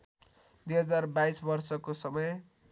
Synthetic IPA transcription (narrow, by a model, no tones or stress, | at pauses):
d̪wujɦʌd͡zarbajsbʌrsʌkosʌmʌj